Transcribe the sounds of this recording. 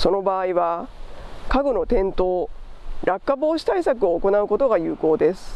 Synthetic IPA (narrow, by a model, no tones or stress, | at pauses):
so̞no̞baːiβa | kaɡono̞t̪ẽ̞nt̪o̞ːɾakːabo̞ːɕi̥t̪aisak̬ɯ̟o̞ːko̞naɯ̟ko̞t̪o̞ɡajɯ̟ːko̞ːd̪e̞sɨ̥